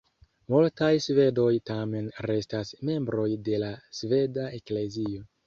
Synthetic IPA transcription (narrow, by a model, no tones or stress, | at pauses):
multajsve̞do̞jtame̞nɾe̞stasme̞mbɾo̞jde̞lasve̞daekle̞zio